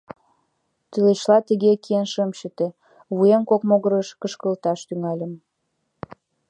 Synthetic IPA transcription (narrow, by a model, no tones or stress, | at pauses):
t̪yleɕlɑt̪əɣekienʃəmʃə̆t̪ĕ | βujemkokmoɣəɾəʃkəʃkəlt̪ɑʃt̪yŋɑlʲə̆m